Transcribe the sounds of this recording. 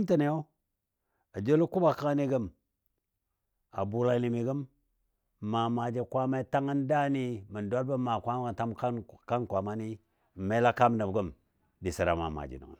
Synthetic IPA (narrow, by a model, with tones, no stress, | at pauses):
mta˨na˨jo˦ | a˨d͡ʒe˦lu˦ku˦ba˨ka˦a˦ni˦ɡə˦m | a̰˨bu˨la˨ni˨mi˨ɡə˦m | ma˨ma˨d͡ʒe˨kʷa˦ma˦i˦ta˦ŋə˦nda˦ni˦mə˨nda˦lba˦ma˨kʷa˦m˦˨ta˦mkka˦nkʷa˨ma˦ni˦˨ | ma˦la˦ka˦m˦na˨bɡə˦m | di˨si˨ɾa̰˨ma̰˨ma̰˨d͡ʒḭ˨nə̰˨ŋə̰˨n